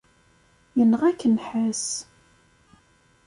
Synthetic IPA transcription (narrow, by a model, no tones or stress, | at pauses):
jənəʁækːənħæs